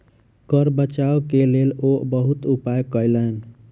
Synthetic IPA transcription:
kəɾbət͡ʃaokelelobəɦut̪upajkəjlən

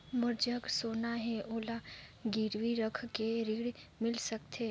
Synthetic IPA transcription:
mʊɾd͡ʒəksoːnaɦɛʔoːlaɡiɾʋiɾəkʰkeɾiɽmɪlsəkt̪ʰe

